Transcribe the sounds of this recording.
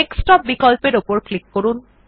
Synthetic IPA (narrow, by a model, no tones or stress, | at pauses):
ekstɔp̚bikɔlpeɹopɔɹklikːoɹun